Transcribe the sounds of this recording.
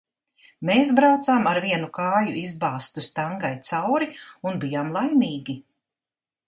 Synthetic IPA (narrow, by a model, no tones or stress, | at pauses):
meːsbɾawt̪saːmaɾviɛnukaːjuʔizbaːst̪ust̪aŋɡajt̪sawɾiunbijaːmlˠajmiːɡʲi